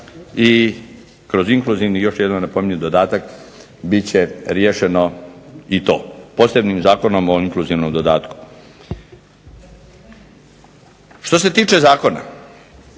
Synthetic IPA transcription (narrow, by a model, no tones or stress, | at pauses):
i | kɾo̞ziŋklˠuziʋnijo̞ʃjed̪nonepo̞miɲud̪od̪aːt̪ak | bit͡ɕeɾjeːʃe̞no̞it̪o̞̰ːpo̞ːse̞bniːmzaːko̞no̞moiŋkluziʋno̞md̪o̞d̪aːt̪ku̥ | ʃt̪o̞se̞t̪iːt͡ʃe̞zaːko̞na̰